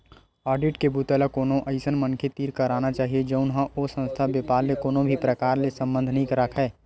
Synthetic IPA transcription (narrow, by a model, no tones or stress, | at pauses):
ɔːɾɖɪʈkebuːt̪ɛlakoːnoʔəɪsənmənkʰet̪iːɾkəɾaːnat͡ʃaːɦied͡ʒəʊnɦə̃osə̃nst̪ʰabepaːɾmekoːnobʱipɾəkaːɾlesə̃mbə̃nd̪ʱnəɦĩkəɾəkʰɦɛː